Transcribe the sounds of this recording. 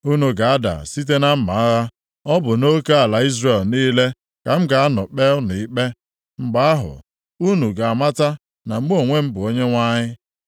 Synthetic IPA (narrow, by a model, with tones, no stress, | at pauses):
u˦nu˨ɡa˨a˦da̰˨si˦t̬e˦na˦m̩˦ma˨a˦ɣa˦ | ɔ˦bʊ˨no˦ke˦a˨la˨i˦zre˨lniː˦le˦ | ka˨m̩˦ɡa˨a˦nɔ˨k͡pe˦lnʊ˨i˦k͡pe˦ | ŋ͡m̩˨ɡ͡ba˦a˦ɦʊ̰˨ | u˦nu˨ɡa˨a˨ma˦ta˦ | na˨m̩˦ɡ͡bo˦˨ŋʷe˦m̩˦bʊ˨o˦ɲe˦ŋʷa˦ɲɪ˦